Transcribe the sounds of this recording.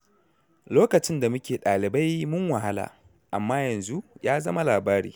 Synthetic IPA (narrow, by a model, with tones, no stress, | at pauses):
loː˦kɐ˨t͡ʃɪ˦nda˨mʊ˦kʲeː˨ɗaː˨lɪ˨ba˦jmʊ˦ŋwɐ˨ɦa˦la̰ː˨ | ʔa˨mːaː˦jɐ˨nzu˦ʔjaː˦zɐ˦ma˦laː˨baː˦ɽḭː˨